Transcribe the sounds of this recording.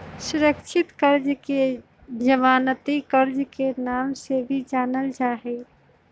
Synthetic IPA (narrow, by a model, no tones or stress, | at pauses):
sʊɾəkt͡ʃʰɪt̪kəɾd͡ʒke | d͡ʒəʋaːnət̪ikəɾd͡ʒkenaːmsebʱid͡ʒaːnəld͡ʒaːɦɛ